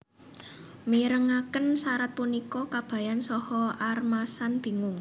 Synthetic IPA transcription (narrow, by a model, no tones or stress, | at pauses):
miɾəŋakənsaɾat̪̚punikɔkab̥ä̤jansɔhɔarmasanb̥i̤ŋʊŋ